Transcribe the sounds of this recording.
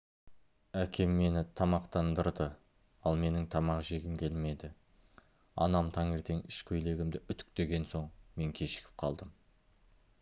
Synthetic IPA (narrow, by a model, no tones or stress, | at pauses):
ækʲe̞mːe̞nɪt̪ʰɑmɑqt̪ɑnd̪əɾd̪ə | ɑlˠme̞nɪŋt̪ʰɑmɑqʒe̞ɡʲɪmkʲʰe̞lme̞d̪ɪ | ɑ̰nɑmt̪ʰɑŋe̞ɾt̪e̞ŋʏʃkʲʰɵjle̞ɡʲɪmd̪ɪʔʏt̪ʏ̥k̚t̪e̞ɡʲe̞nso̞ɴme̞ŋkʲʰe̞ʃɪ̥kʲɪ̥p̚qʰɑlˠd̪əm